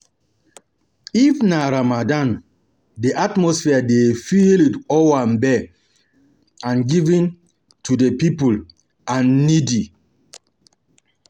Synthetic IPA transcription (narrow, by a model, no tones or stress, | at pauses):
ifnaɾamadãn | deʔatmɔsfiadefilitɔwãnbɛ | ãnɡivĩn | tʰudepipul | ãnːidi